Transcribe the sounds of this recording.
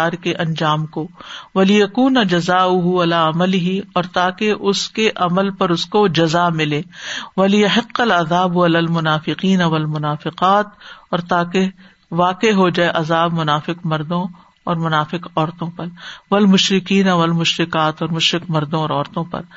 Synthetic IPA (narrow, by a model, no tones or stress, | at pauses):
aːɾkeʔɐ̃nd͡ʒaːmkoʋɐlɪjɐkuːnɐd͡ʒɐzaːʊɦuɐlaːɐmɐlɪɦiɔːɾt̪aːkeʔʊskeʔɐməlpɐɾʊskod͡ʒɐzamɪlẽːʋɐlɪjɐɦɪqːɐlɐðaːbɐlaːlmʊnaːfɪqiːnɐʋɐlmʊnaːfɪqaːt̪ɔːɾt̪aːke | ʋaːqeɦod͡ʒaːeʔɐzaːbmʊnaːfɪqmɐɾd̪õ | ɔːɾmʊnaːfɪqɔːɾt̪õpɐɾʋɐlmʊʃɾɪkiːnaʋɐlmʊʃɾɪkaːt̪ɔːɾmʊʃɾɪqmɐɾd̪õɔːɾɔːɾt̪õpɐ̰ɾ